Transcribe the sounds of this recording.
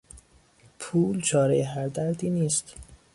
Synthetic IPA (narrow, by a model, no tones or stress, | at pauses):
pʰuːlt͡ʃʰɒːɾejeɦæɾd̪æɾd̪iːniːst̪